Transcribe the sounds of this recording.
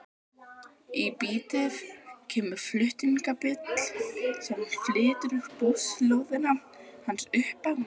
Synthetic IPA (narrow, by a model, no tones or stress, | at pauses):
ipiːt̪ɪðcʰɛːmʏɾ̥flʏht̪iŋkapɪt̪l̥sɛmɾ̥flɪːt̪ɾʏɾpowslowðɪna | hansʏhpan